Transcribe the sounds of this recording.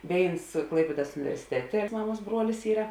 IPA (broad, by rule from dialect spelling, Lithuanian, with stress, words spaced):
ˈʋʲeːɪns ˈklˠɐɪpʲiɛdɐs ʊnʲɪʋʲɛrʲsʲɪˈtʲæːtʲeː ˈmɑːˌmuɔs ˈbruɔlʲɪs ˈiːrɐ